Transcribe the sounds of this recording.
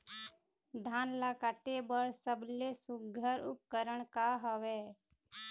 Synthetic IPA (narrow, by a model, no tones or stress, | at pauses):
d̪ʱaːnlakaʈebəɾsəblesʊɡʱəɾʊ̰p̚kəɾəɳ̃kaɦəweː